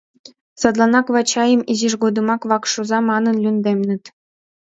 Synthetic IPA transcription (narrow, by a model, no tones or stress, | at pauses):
sɑd̪lˠɑnɑkʋɑt͡ɕːɑjɤ̆miʑiʐɡod̪ɤ̆mɑkʋɑkʂuzɑmɑnɤ̆nlʲynʲd̪ʲemʲnʲɘ̆t̪ʲ